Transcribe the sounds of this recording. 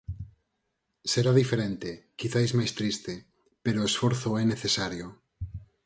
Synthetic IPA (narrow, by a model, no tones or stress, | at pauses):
seɾaðifeɾent̪ekiθajzmajst̪ɾist̪e | peɾoesfoɾθoɛneθesaɾjo